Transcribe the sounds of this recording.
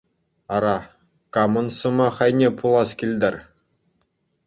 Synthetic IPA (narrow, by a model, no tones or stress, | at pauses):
ɑɾɑ | kɑmɤ̆nsɤ̆mɑχɑjnʲepʰulˠɑskʲilʲd̪ʲɘ̆rʲ